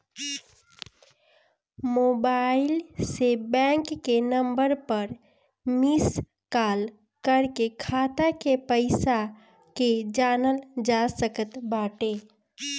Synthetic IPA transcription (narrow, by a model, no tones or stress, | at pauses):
moːbaːɪlsebɛ̃ːŋkːenə̃mbəɾpəɾ | mɪs | kaːl | kəɾkekʰaːt̪akepəɪsa | ked͡ʒaːnəld͡ʒaːsəkət̪baːʈeː